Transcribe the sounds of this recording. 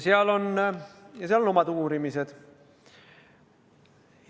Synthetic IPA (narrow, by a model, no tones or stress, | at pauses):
siælon | jɑsiælonomɑt̪uːrimiset̪